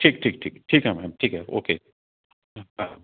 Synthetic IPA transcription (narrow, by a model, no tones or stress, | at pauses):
ʈʰiːk̚ʈʰiːk̚ʈʰiːkʈʰiːkɦɛmɛ̃mʈʰiːkɦɛo̰ːkeː | a